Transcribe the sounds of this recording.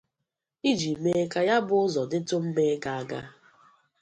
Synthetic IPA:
i˦d͡ʒi˨me˦ka˦ja˦bʊ˦ʊ˦zɔ˨dɪ˦tʊ˦m̩˦me˦ka˨a˦˨ɡa˦

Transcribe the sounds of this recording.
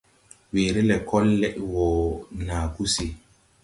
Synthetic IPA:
weː˨ɾi˦lɛ˨kʰɔ˦lːɛ˦ʔwɔ˨naː˨ku˦se˨

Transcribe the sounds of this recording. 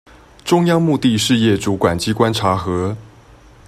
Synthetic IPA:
ʈ͡ʂʊ˥ŋjɑ˥ŋmu˥˧t̪i˥˧ʂɻ̩˥˧jɛ˥˩ʈ͡ʂu˧˥kwa˨˩nt͡ɕi˥kwa˥nʈ͡ʂʰa˧˥xɤ˧˥

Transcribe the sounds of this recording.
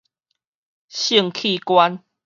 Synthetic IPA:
ɕi˥˨ŋkʰi˥˨kwa˦n

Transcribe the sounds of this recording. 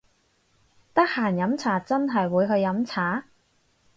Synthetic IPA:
t̪ɐ˥k̚haː˨˩njɐ˨˧˥mt͡sʰaː˨˩t͡sɐ˥nɦɐ˨jwuː˨˧jɦɵ˧jɐ˨˧˥mt͡sʰaː˨˥

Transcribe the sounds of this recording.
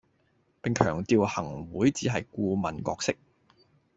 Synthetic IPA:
pɪ˨ŋkʰœ̰ː˨˩ŋt̪iː˨˧whɐ˨˩ŋwuː˨˥jt͡siː˨˥ɦɐ˨jkuː˧mɐ˨˩nkɔ̰ː˧k̚sɪ˥k̚

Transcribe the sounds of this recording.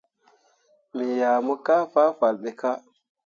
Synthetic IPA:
mi˨ja˨mo˦ka˦fa˦fa˨lɓe˨ka˦

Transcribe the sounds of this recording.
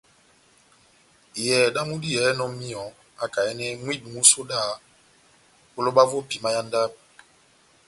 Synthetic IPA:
i˨jɛ˨da˦mu˦di˦jɛ˨˦nɔ˦mi˦ɔ˨ | a̰˦ka˨ɛ˦nɛ˦mwi˦˨bu˨mu˦so˦da˦˨ | ko˦lo˦ɓa˦vo˦pi˨ma˦ja˦nda˦p̚

